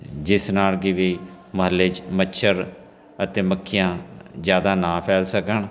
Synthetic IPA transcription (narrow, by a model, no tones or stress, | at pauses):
d͡ʒɪsnaːlɡiːʋiː | məɦəlːeːd͡ʒmətːʃʰəɾ | ət̪eːməkʰːɪjãːzjaːd̪aːnãːpʰɛːlsəkəɳ